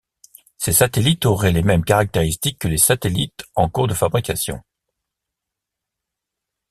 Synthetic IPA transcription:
sesat̪elit̪oʁɛlemɛmkaʁak̚t̪eʁist̪ikːəlesat̪elit̪ɑ̃kuʁd̪əfabʁikasjɔ̰̃

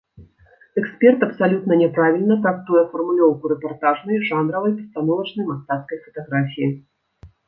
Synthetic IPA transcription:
ɛkspʲɛrt̪ɐpsalʲut̪nɐnʲɛpɾavʲilʲnɐt̪ɾak̚t̪ujɛfɐrmulʲɔwkuɾɛpart̪aʐnɐjʐanɾɐvɐjpɐst̪anɔvɐt͡ʂnəjmast̪at̪skəjfɐt̪aɣɾafʲiji

